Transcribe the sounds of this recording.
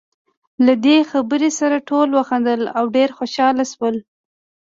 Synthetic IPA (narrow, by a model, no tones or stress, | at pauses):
lad̪exabəɾesaɾaʈʰolwaxand̪əlawɖeɾxoʃɑlaswəl